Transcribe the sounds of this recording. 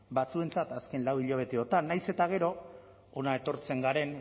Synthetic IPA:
bat͡sue̞nt͡sat̪aske̞nlawiʎoβ̞e̞t̪eot̪anːajse̞t̪aɣ̞e̞ɾo̞ː | naet̪o̞ɾt͡se̞ŋɡaɾe̞n

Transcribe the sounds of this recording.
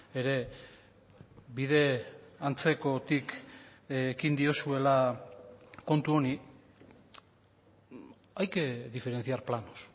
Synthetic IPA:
e̞ɾe̞ | biðe̞ant͡se̞ko̞t̪ik | kind̪io̞sue̞la | ko̞nt̪uo̞ni | ajkeðife̞ɾe̞nt͡siaɾplanos

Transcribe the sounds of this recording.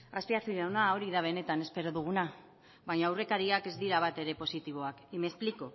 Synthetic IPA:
aspiaθioʎawnao̞ɾiðaβ̞e̞ne̞t̪ane̞spe̞ɾoðuɣ̞una | βaɲaːwre̞kaɾiake̞zd̪iɾaβ̞at̪e̞ɾe̞po̞sit̪iβo̞akimespliko

